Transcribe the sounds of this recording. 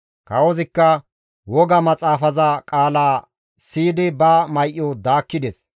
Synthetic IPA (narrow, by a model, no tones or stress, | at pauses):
kɐwɔzɪkːɐ | wɔɡɐmɐt͡sʼaːfɐzɐkʼaːlaː | siːd̪ɪbɐmɐjʔːɔd̪aːkːɪd̪ɛs